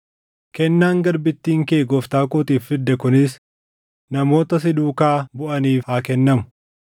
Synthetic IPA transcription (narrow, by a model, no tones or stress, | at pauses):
kɛnːaːŋɡɐɾbɪt̪ːiːŋkeːɡɔft̪aːkoːt̪iːfːɪd̪ːɛkʊnɪs | nɐmo̞ːt̪ɐs̬ɪd̪uːkaːbʊʔɐniːfhaːkɛnːɐmʊ̥